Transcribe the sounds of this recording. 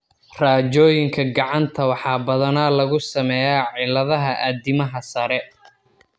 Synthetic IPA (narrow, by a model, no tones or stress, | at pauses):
raːt͡ʃɔːjɪŋkʰɐɡɑʕɑnt̪ʰɐwɑħɑːbɐðɐnaːlɐɣʊsɐmɛjaːʕɪlɐðɐɦɐʔad̪ɪmɐɦɐsɐɾɛ